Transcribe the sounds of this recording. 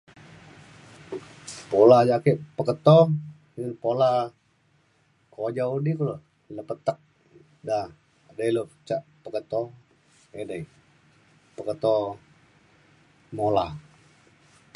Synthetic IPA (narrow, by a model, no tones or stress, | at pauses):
polad͡ʒakeʔpəkət̪ɔ | pola | kod͡ʒaudikulo | ləpət̪ək̚ | da | dajlot͡ʃaʔpəkət̪ɔ | edai | pəkət̪ɔ | molah